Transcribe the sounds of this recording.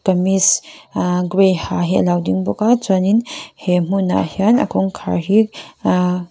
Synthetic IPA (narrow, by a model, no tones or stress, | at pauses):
kamis | ɡɾejhaɦḭlawdiŋbɔkat͡saninhem̥una̰hiana̰kʰɔŋkʰa̰ɹhi